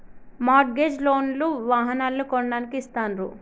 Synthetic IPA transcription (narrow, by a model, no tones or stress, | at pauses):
maːʈɡeːd͡ʒloːnluʋaːɦɐnaːlːukɔɳɐɖaːnikiːst̪aːnɾu